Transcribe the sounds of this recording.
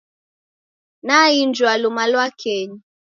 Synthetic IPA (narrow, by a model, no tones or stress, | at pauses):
naind͡ʒwalumalwakʰɛɲi